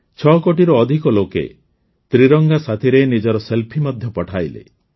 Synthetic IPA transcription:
t͡ʃʰɔkoʈiɾɔːd̪ʱikɔlokḛ | t̪ɾiɾɔŋɡasat̪ʰiɾenid͡ʒɔɾɔselpʰimɔd̪ʱjɔpɔʈʰajlḛ

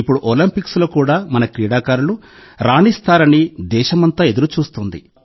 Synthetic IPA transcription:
ipːuɽuʔolɐmpikslo̞ːkuːɽaːmɐnɐkɾiːɽaːkaːɾulu | ɾaːɳist̪aːɾɐnid̪ɛːʃɐmɐnt̪aːe̞d̪uɾut͡ʃuːst̪und̪ḭ

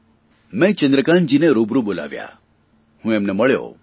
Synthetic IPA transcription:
mẽt͡ʃənd̪ɾəkãnd͡ʒineɾubɾubola̰ʋja̰ | hũemneməɭjo̰ː

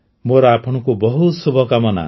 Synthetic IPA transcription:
moɾɔapʰɔɽ̃ɔkubɔɦut̪subʱɔkamɔna̰

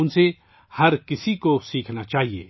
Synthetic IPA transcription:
ʊnse | hɐɾkɪsikosiːkʰnat͡ʃaːɦiḛː

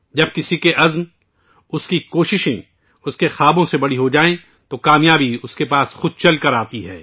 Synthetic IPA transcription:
d͡ʒɐb̚kɪsikeʔɐzn | ʊskikoːʃɪʃẽ | ʊskexaːbõsebɐɽiɦod͡ʒaːẽ | t̪okaːmjaːbiʊskepaːsxʊd̪̚t͡ʃɐlkɐɾaːt̪iɦɛ̰ː

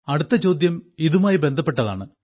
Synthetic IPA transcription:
ɐɽut̪ːɐt͡ɕo̞ːd̪jɐmiðumaːjibe̞nd̪ʱɐpːe̞ʈːɐða̰ːɳɨ

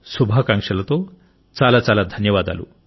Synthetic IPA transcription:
subʱakãŋkʂɐlat̪o | t͡salat͡salad̪ʱənjəʋad̪a̰lṵ

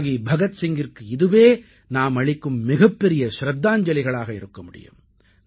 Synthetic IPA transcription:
ɣibʱɐɣɐt̪sɪŋɡɪrkɯɪðɯʋeː | naːmɐɭɪkːɯmːɪɣɐpːɛɾɪjɐʃɾɐd̪ːaːɲd͡ʒɐlɪɣɐɭaːɣɐɪ̰ɾɯkːɐmʊɽɪ̰jɯ̰m

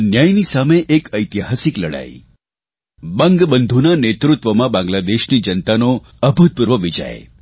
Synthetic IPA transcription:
njajnisameʔekəjt̪ijaɦasikləɽa̰j̰ | bə̃ŋɡbənd̪ʱunanet̪ɾut̪ʋəmãbãŋɡlad̪eʃnid͡ʒənt̪ano | əbʱud̪̚puɾʋəʋid͡ʒa̰ḛ

